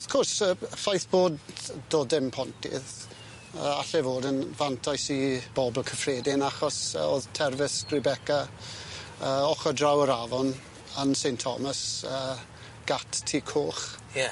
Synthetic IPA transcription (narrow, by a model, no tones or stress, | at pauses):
ɔfkʰɔrsəfajθb̥oːddoːdɪmpʰɔntʰɪ̰ð | əaɬɛvoːdənvantʰajsib̥ɔbl̩ˠkʰəfreːdɪnaχɔsə̰oːðtʰɛrvɪsɡ̥rɪbɛka | əːɔχɔdrawəɾavɔn | ənsejntʰɔ̰məsəː | ɡ̥atʰtʰːiːkʰoːχ | jɛ